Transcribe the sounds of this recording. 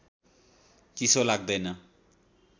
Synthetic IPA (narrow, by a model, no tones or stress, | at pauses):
kisolaɡ̚d̪ʌjnʌ